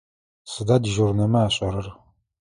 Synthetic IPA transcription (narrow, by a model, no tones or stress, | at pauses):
sɨdadʒurnɐmɐaːɕʼɐɾɐr